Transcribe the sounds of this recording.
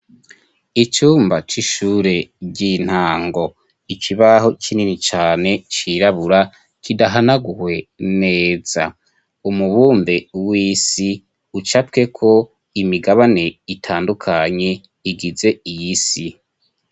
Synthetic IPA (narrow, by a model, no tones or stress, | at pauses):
it͡ʃuːmbat͡ʃiʃuːɾe̞ɟin̥haːŋɡo̞ | ikʰiβaɦo̞t͡ʃininit͡ʃaːne̞t͡ʃiɾaβuɾa | kidaɦanaɡuhwe̞neːz̥a̰ | umuβuːmbewiːsi | ut͡ʃapke̞kʰo̞ | imiɡaβane̞itʰaːndukʰaɲe̞ | iɡize̞ijisi